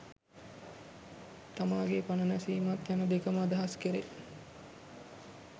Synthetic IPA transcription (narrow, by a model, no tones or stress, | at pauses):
t̪amaːɡepanənasiːmat̪janəd̪ekəmad̪ɐɦaskeɾe